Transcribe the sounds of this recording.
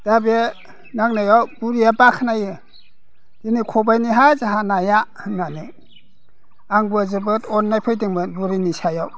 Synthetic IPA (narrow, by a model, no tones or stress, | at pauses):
d̥abe | naŋnajawb̥uɾijabakʰnajɯ | d̥inikʰɔbajniɦazaɦanajahɯnːani | aŋbɯzɯbɯtʰɔnːajpʰɯjdiŋmɯnbuɾinisajaw